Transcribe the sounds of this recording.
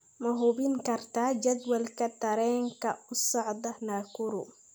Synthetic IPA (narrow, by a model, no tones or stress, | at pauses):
mɐɦʊbɪŋkʰɐrt̪ʰaːd͡ʒɐd̪wɐlkʰɐt̪ʰɐɾɛːŋkʰɐʊsɑʕd̪ɐnaːkʰʊɾʊ̰